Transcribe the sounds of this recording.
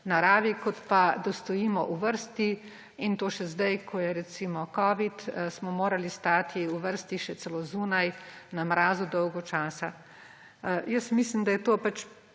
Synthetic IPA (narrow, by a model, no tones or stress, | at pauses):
naɾaːʋikɔt̪pad̪ɔst̪ɔjiːmɔʔuʋəɾst̪i | int̪oːʃɛzd̪ajkʰɔjɛɾɛt̪simɔkɔːʋit̪smɔmoːɾalist̪aːt̪ʰiuʋəɾst̪iʃɛsɛlozuːnajnamɾaːzud̪ɔwɡɔt͡ʃaːsa | jəsmislimd̪ajɛt̪oːpat͡ʃ